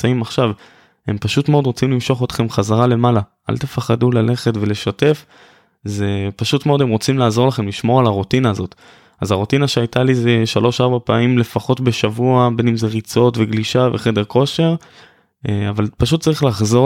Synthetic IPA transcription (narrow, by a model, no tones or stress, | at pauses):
aimaχʃav | e̞mpaʃutmeo̞dʁo̞t͡simlimʃo̞χot̪χe̞mχazaʁale̞malaʔa̰lt̪efaχadulale̞χe̞tve̞le̞ʃate̞f | ze̞paʃutmeo̞de̞mʁo̞t͡simlaːzo̞laχe̞mliʃmo̞ʁalaʁotinaːzo̞t | azaʁotinaʃeajtalizeʃalo̞ʃaʁbapaamimle̞faχo̞tbe̞ʃavuabe̞nimzeʁit͡so̞tve̞ɡliʃave̞χe̞de̞ʁko̞ʃe̞ʁ | avalpaʃut̚t͡saʁiχlaχzo̞